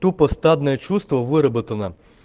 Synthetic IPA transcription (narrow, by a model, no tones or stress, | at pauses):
t̪upɔst̪ɑd̪nɛjɛt͡ʃust̪ʋɔʋɪɾɐbɪt̪ɐnɐ